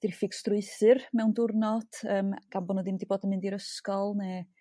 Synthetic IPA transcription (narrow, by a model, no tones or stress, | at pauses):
d̥ɪrfɪɡ̥strʊɨθɨrmɛwndʊrnɔd̥əːmɡ̥anbɔnəðɪmdiboːdənmɪndiɾəskɔlˠnɛ